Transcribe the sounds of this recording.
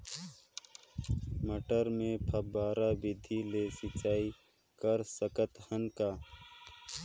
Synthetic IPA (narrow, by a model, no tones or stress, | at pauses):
məʈəɾmẽpʰəbaːɾabɪd̪ʱileːsɪt͡ʃaːi | kəɾsəkət̪hənkaː